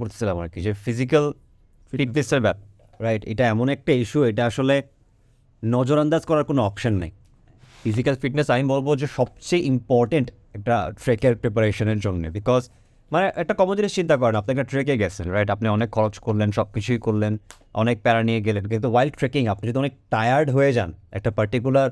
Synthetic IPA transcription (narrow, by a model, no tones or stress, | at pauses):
oɾt̪ʰe̥silama̰ɾkid͡ʑefizikal | fiʈneseɾbɛ | ɾajʈḛʈaɛmonɛk̚ʈaiʃueʈaaʃole | nɔd͡ʑoɾand̪ad͡ʑkɔɾaɾkonoɔpʃanːa̰j | fizikalfiʈnesamibolbod͡ʑeʃɔb̚t͡ɕejʔimpɔɾʈeɳʈ | ɛk̚ʈaʈɾekeɾpɾep̬aɾeʃoneɾd͡ʑonːḛbikɔz | maneʔɛk̚ʈakɔmod̪iniʃt͡ɕint̪akɔɾenap̚nekaʈɾekeɡɛt͡ɕʰenɾajʈapniɔnekʰːɔɾot͡ɕkoɾlenʃɔb̚kit͡ɕʰujkoɾlen | ɔ̰nek̚pɛɾanieɡelenk̬int̪uwajlɖ̚ʈɾekiŋapnid͡ʑoɔd̪oɔnek̚ʈajaɾɖɦojed͡ʑanɛ̰k̚ʈapaɾʈikulaɾ